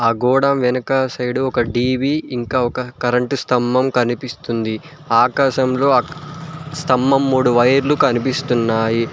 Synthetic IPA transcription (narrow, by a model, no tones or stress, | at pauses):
aːɡɔːɽɐmʋɛnɐkasɐjɽuɔkɐɖiːʋiːiŋkaːɔkɐkɐɾɐɳʈust̪ʰɐmːɐmkɐnipist̪und̪i | aːkaːʃɐmlo̞ː | st̪ɐmːɐmːuːɽuʋɐjɐɾlukɐnipist̪unːaːji